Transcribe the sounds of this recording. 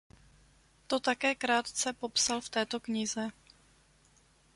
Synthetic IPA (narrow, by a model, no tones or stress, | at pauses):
t̪o̞t̪akɛːkɾaːt̪t͡sɛpo̞psalft̪ɛːt̪o̞kɲɪzɛ